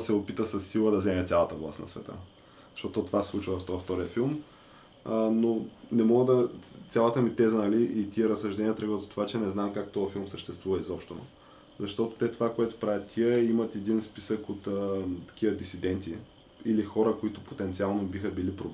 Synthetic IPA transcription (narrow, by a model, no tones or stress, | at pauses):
sɛopit̪əsɐsːilˠəd̪ɐzɛmɛt̪sʲalˠɐt̪əvlˠa̰st̪nɐ̰svɛ̰t̪ə̰ | ɐʃt̪ɔt̪ot̪ovaslˠut͡ʃvəvɐft̪ɔft̪ɔɾiəfilˠm | nonɛmɔɡəd̪ɐt̪sʲalˠət̪əmit̪ɛzənɐliʔit̪ʲiɛɾəsɐʒd̪ɛniət̪ɾɛɡət̪ot̪ovat͡ʃɛnɛznamkakt̪ɔjɐfilˠmsəʃt̪ɛst̪vuvəizɔpʃt̪ono̰ | zɐʃt̪ɔt̪o̥t̪ɛt̪ovakoɛt̪o̥pɾavʲjət̪ːʰiɛimət̪ɛd̪inspisəkot̪ət̪ɐ̥kʲivəd̪isid̪ɛnt̪i | ilixɔɾəkoit̪ʊpot̪ɛnt̪sialˠnobixəbilipɾob